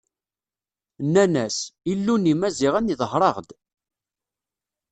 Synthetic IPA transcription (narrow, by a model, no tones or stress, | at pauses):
nːænæsilːunimæziʁæniðhɾˤɑʁd̪